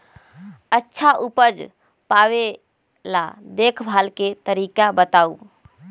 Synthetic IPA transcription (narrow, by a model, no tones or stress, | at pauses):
ətːʃʰaʔupəd͡ʒ | pawe | la̰d̪ekʰbʱalket̪əɾikabət̪au